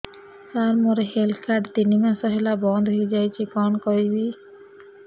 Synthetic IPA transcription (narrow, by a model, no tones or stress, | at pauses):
saɾmoɾeɦelkʰaɖt̪inimasɔɦelabɔnd̪ʱɦod͡ʒajt͡ʃʰikɔnkɔɾibi